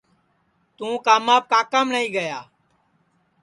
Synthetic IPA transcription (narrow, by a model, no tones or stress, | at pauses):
t̪ũːkaːmaːp̚kaːkaːmnəĩːɡəjaː